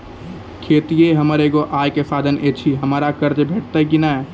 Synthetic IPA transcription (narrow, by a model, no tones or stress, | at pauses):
kʰeːt̪ieɦəməɾeɡoʔaːjkesaːd̪ənʔeːt͡ʃʰiɦəmaːɾakəɾd͡ʒbʱeːʈ̚ʰt̪aik̬inaɛ